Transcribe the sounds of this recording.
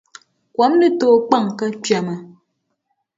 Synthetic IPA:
kwɔ˨˦mnə˦toː˦˨k͡pa˦˨ŋkə˦t͡ʃɥa˨mə˨

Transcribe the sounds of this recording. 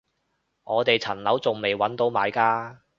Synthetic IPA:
ŋɔː˨˧t̪e˨jt͡sʰɐ˨˩nlɐ˨˥wt͡sʊ˨ŋme˨jwɐ˨˥nt̪o˨˥wmaː˨˧jkaː˥

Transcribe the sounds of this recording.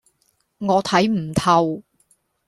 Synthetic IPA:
ŋɔː˨˧t̪ʰɐ˨˥jm̩˨˩t̪ʰɐ˨w

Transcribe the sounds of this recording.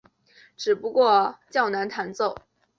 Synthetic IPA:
ʈ͡ʂɻ̩˨˩pu˧˥kwɔ˥˧t͡ɕjɑ˥˩ʊna˧˥nt̪ʰa˧˥nt͡so˥˩ʊ

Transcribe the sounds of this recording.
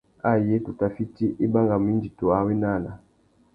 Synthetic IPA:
a˦je˦tu˨ta˨fi˦ti˦ʔi˦ba˦ŋɡa˨m˨i˦ndi˨to˨a˨wi˦na˦˨na˨

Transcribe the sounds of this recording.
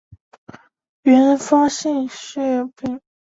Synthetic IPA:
ɥɛ˧˥n˧fɑ˥ɕi˥˧ŋɕy˥˩pi˥˩

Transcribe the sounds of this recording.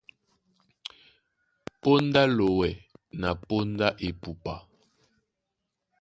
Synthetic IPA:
po˦nda˦lo˨wɛ˨na˨po˦nda˦ʔe˨pu˨pa˨

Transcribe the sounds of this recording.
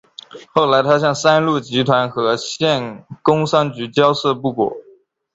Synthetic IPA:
xo˥˩ʊla˧˥ɪt̪ʰa˥ɕjɑ˥˩ŋsa˥nlu˥˩t͡ɕi˧˥t̪ʰwa˧˥nxɤ˧˥ɕjɛ˥˩nkʊ˥ŋʂɑ˥ŋt͡ɕy˧˥t͡ɕjɑ˥ʊsɤ˥˧pu˥˩kwɔ̰˨˩˦

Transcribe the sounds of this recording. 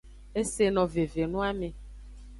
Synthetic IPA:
e˦se˨nɔ̃˨ve˨ve˨nũ˦a˦mẽ˨

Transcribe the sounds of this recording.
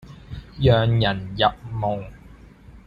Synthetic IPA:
jœː˨ŋjɐ˨˩njɐ˨p̚mo˨˩ŋ

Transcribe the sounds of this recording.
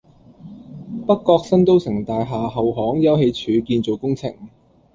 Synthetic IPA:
pɐ˥kkːɔː˧k̚sɐ˥nt̪o˥wsɪ˨˩ŋt̪aː˨jɦaː˨ɦɐ˨wɦɔː˨˥ŋjɐ˥wɦe˧jt͡ʃʰyː˨˧kiː˧nt͡so˨wkʊ˥ŋt͡sʰɪ̰˨˩ŋ

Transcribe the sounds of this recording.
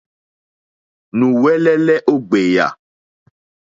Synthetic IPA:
nũ˨wɛ˦lɛ˦lɛ˦ʔo˦ɡ͡be˨ja̰˨

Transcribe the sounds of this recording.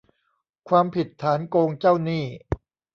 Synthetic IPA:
kʰwaː˧mpʰi˨˩t̪ʰːaː˩˦nkoː˧ŋt͡ɕa˥˩wniː˥˩

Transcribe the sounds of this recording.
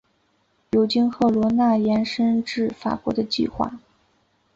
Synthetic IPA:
jo˧˥ʊt͡ɕi˥nxɤ˧˥lwɔ˧˥na˥˩jɛ˧˥nʂə˥nʈ͡ʂɻ̩˥˩fa̰˨˩kwɔ̰˧˥d̪ə˧t͡ɕḭ˥˧xwa̰˥˩

